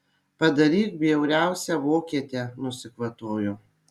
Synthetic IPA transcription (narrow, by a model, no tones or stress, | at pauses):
pɐd̪ɐɾʲiːk̪̚bʲiɛʊɾʲæˑʊsʲɛʋoːkʲiɛt̪ʲenʊsʲɪkʋɐt̪oːjʊ